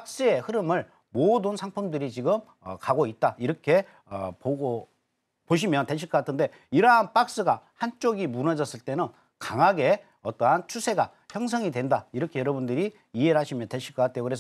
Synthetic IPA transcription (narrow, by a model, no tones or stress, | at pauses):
ak̚s͈ɯe̞hɯɾɯmɯɭ | modɯnsʰaŋpʰɯmdɯɾit͡ɕiɡɯm | ʌkaɡoit̚t͈aiɾʌkʰe̞ | ʌ̰poɡo | poɕ̬ʰimjʌnteɕ̬ʰiɭkʌk͈atʰɯnde̞ | iɾʌɦanp͈ak̚s͈ɯɡahant͡ɕ͈oɡimunʌd͡ʑʌs͈ɯɭt͈e̞nɯn | kaŋaɡe̞ | ʌt͈ʌɦant͡ɕʰusʰe̞ɡa | çjʌŋsʰʌŋidwe̞ndaiɾʌkʰejʌɾʌbundɯɾi | ieɭɦaɕʰimjʌntwe̞ɕʰiɭk͈ʌk͈atʰe̞jokɯɾesʌ